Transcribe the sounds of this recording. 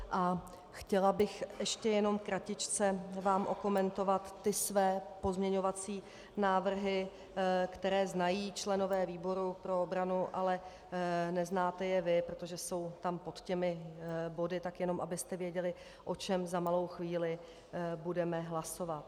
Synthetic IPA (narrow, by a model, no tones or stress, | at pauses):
ʔa | xcɛlabɪxʔɛʃcɛjɛno̞mkɾacɪt͡ʃt͡sɛvaːmʔo̞ko̞mɛnt̪o̞vat̪ːɪsvɛːpo̞zmɲɛɲo̞vat͡siː | naːvr̩ɦɪ | kt̪ɛɾɛːznajiːt͡ʃlɛno̞vɛːviːbo̞ɾupɾo̞obɾanuʔalɛ | nɛznaːt̪ɛjɛvɪpɾot̪oʒɛso̞wt̪ampo̞t̪cɛmɪbo̞dɪt̪akjɛno̞mʔabɪst̪ɛvjɛɟɛlɪ | ʔo̞t͡ʃɛmzamalo̞wxviːlɪ | budɛmɛɦlaso̞vat̪̚